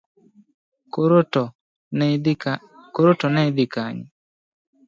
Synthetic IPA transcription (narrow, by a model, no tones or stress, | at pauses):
koɾotɔnɛɪd̪ɪkaɲɪ